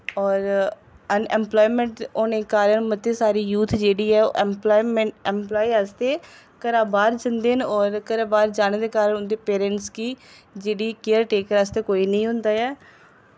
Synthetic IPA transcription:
ɔːɾ | ənɛmplɔːimẽɳʈoːnẽːkaːɾənmət̪ːeːsaːɾiːjuːt̪ʰd͡ʒeːɽiːɛːo̰ːʔɛmplaːimɛɳʈɛmplaːiaːst̪eː | kəɾaːbaːɾd͡ʒənd̪enɔːɾkəɾaːbaːɾd͡ʒaːneːd̪eːkaːɾəɳʊnd̪eːpeːɾɛ̃ɳʈskiː | d͡ʒeːɽiːkejəɾʈeːkəɾaːst̪eːkoːiːnəĩːɦʊnd̪aːɛː

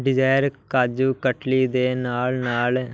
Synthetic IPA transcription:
ɖɪd͡ʒaːjəɾkaːd͡ʒuːkəʈlid̪eːnaːlnaːl

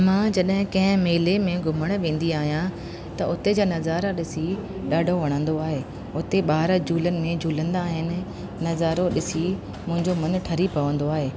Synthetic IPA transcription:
mãːd͡ʑɐɗɦɪ̃kɐ̃ɦɪ̃meːlemẽɡʱʊməɽ̃ʋẽːn̆d̪iaːɦijã | t̪ɐʊt̪ed͡ʑaːnɐzaːɾaɗɪsi | ɗaːɖʱoʋɐɽ̃ə̃nd̪oaːɦeː | ʊt̪eɓaːɾd͡ʑʱuːlənɪ̆mẽd͡ʑʱuːlə̃nd̪aːɦɪnɪ̆ː | ɐzaːɾoɗɪsi | mʊ̃ɦɪ̃ɲd͡ʑomɐnʈʰɐɾipɐʋə̃nd̪oaːɦeː

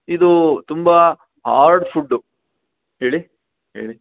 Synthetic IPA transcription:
id̪ut̪umbɐ | ɦa̰ːɾɖpʰuɖːu | ɦeːɭi | ɦḛːɭi

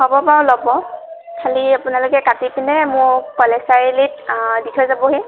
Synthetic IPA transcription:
hɔbɔpalɔbɔ | kʰaliapʊnalʊkɛkatikinɛmʊɹkɔlɛsajlit̚ditʰɔjzabɔɦi

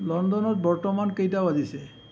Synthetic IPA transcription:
lɔnd̪ɔnɔt̪bɔɹtɔmankejtabad̪ise

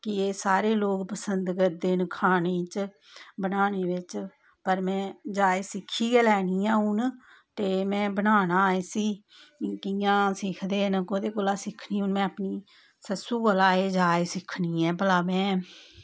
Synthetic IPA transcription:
kɪeːsaːɾeːloːkpəsənd̪ɡəɾd̪eːnkʰaːneːt͡ʃ | bənaːneːʋɪt͡ʃ | pəɾmɛ̃ːd͡ʒaːeːsɪkʰːiːɡɛːlɛːniːãːʊn | t̪eːmɛ̃ːbənaːnaːeːsiː | kɪjãːsɪkʰd̪eːnəkoːd̪eːkoːlaːsɪkʰniːuːnmɛ̃ːəpniː | səsuːkoːlaːeːd͡ʒaːeːsɪkʰniːɛːpəlaːmɛ̃ː

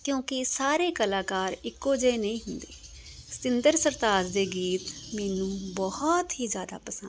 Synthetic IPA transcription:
kjõːkɪsaːɾeːkəlaːkaːɾɪkːoːd͡ʒeːnəĩːɦʊnd̪eː | st̪ɪnd̪əɾsəɾt̪aːd͡ʒd̪eːɡiːt̪mɛːnũːbɔhɔt̪ɦiːd͡ʒjaːd̪a̰ːpəsə̃n

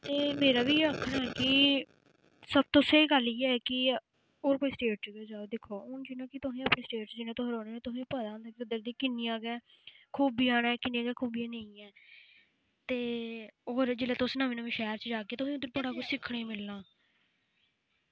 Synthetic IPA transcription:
t̪eːmeːɾaːbiːeəkʰːnaːɛːkɪ | səb̚t̪õːseːɡəliːɛːkɪ | oːɾkoːiːsʈeːʈɡeoːd͡ʒaːod̪ɪkʰoːʊnd͡ʒɪnãːkɪt̪ʊsĩːaːpnẽːsʈeːʈsd͡ʒɪnẽːt̪õɦəɾoːneːẽːt̪ʊsĩːpəd̪ãnd̪aːkeʊd̪əɾd̪iːkɪnːɪjãːɡɛː | kʰuːbiːaːnɛːkɪniːaːɡɛːkʰuːbiaːneĩːɛː | t̪eːoːɾd͡ʒeːleːt̪ʊsnaːʋẽːnãːʋɪ̃ːʃɛːɾt͡ʃəd͡ʒaːkeːt̪ʊsĩːʊd̪ːəɾbəɽaːkʊt͡ʃsɪkʰːɽeːmɪlːãː

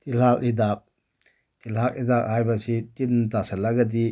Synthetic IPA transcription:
t̪ilhalid̪ak̚ | t̪ilak̚id̪ak̚hajbasitindasalaɡadi

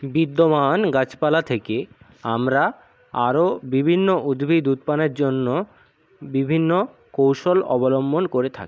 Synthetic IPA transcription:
bid̪ːomanɡat͡ɕpalat̪ʰeke | amɾa | aɾobibʱinːoʔud̪bʱid̪ut̪paneɾd͡ʑonːo | bibʱinːo | kowʃolɔ̰bolombʱonkoɾet̪ʰa̰ki̥

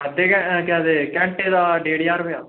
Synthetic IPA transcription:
əd̪eːkɛ̃kɛ̃ːd̪eːkɛ̃ːɳʈeːd̪aːɖeːɽiaːɾʋejaː

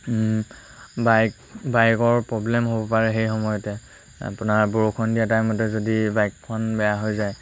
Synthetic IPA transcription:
bajk | bajkɔɹpɹɔblɛmɦobɔpaɹɛɦejxɔmɔjɔtɛ | a̰pʊnaɹboɹokʰɔndijatajmɔtɛzodibajkpʰɔnbɛjaɦojzaj

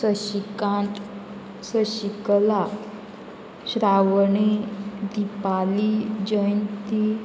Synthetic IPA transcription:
səikat̪ | səɕikla | ɕɾaʋəɳid̪ipalid͡ʑəjnt̪i

